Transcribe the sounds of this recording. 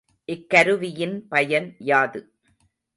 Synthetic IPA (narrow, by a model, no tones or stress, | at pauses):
ʔɪkːɐɾɯʋɪjɪnpɐjɐnjaːðɯ